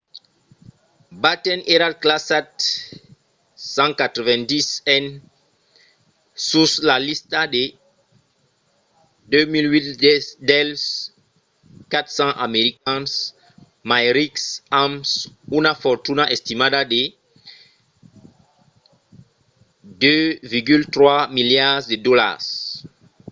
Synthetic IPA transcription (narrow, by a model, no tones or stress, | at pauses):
bat̪ɛnʔeɾad̚klasat | sɑ̃kat̪ɾəvɛ̃ndisɛn | suslalist̪ade | dømilwitdɛls | kat̪χsɑ̃ʔameʁikɛ̃ns | majʁiksamsunafɔʁt̪unaʔɛst̪imad̪ade | d̪øviʁɡylt̪ʁwamiljad̪ed̪ɔla̰s